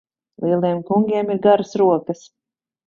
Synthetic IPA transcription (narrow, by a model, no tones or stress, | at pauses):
lˠiɛlˠiɛmkuŋɡʲiɛmiɾɡaɾəsɾuɔkɐs